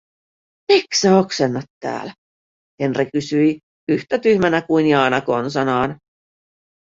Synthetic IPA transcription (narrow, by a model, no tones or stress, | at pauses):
miksɑoksenːɑt̪ːæ̰ːlæ | he̞nrikysyi | yht̪æt̪yhmænækuinjiɑnɑkonsɑnɑːn